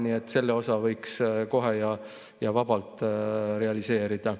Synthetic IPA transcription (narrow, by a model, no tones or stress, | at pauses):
nie̞t̪ːse̞lːeo̞sɑvɤ̞jksko̞ɦejɑ | jɑvɑbɑlt̪ɾe̞ɑlise̞ːɾid̪̥ɑ